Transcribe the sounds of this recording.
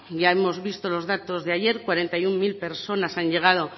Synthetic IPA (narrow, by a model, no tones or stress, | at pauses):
ʝae̞mo̞zβist̪o̞lo̞zðat̪o̞zðeaje̞ɾkwaɾe̞nt̪ajuŋmilpe̞ɾso̞nasaɲʎe̞ɣ̞að̞o̞